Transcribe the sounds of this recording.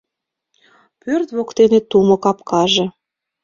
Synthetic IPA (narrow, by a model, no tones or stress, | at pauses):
pørt̪βokt̪enet̪umɤ̆kɑpkʰɑʒĕ